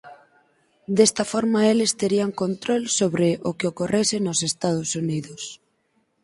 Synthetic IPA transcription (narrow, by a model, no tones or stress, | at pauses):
d̪est̪ɐfɔɾmaelɪst̪eɾiaŋkont̪ɾolsoβɾɪʔʊkɪokoresɪnʊsest̪að̞ʊsuniðʊs